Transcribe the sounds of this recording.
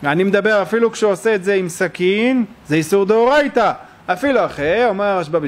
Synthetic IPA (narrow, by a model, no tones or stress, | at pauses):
animed̪abe̞ʁafilukʃeoseːtzeimsakinzeisuʁd̪eoʁajt̪a | afiluaχeomeʁaʃbab